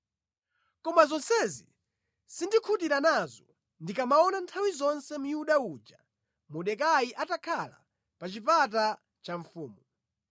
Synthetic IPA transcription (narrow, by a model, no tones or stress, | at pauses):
kɔmazɔnsɛzḭ | sindikʰut̬iɾanazɔ | ndikamaɔnantʰawizɔnsɛmujuɗauːd͡ʒa | muɗɛkajiʔatakʰala̰ | pat͡ʃipat̬a | t͡ʃaɱ̩fuːmu